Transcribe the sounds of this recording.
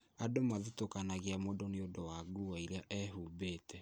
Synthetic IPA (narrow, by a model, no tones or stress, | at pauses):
adomaðutokanaɣeamodoneodowaɡuwaiɾeaʔɛɦuːbeːtɛ